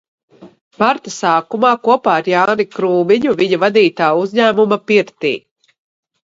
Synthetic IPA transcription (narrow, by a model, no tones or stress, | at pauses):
maɾt̪asaːkumaːkuɔpaːɾjaːnikɾuːmiɲuviɲavad̪iːt̪aːuzʲɲæːmumapiɾt̪ḭː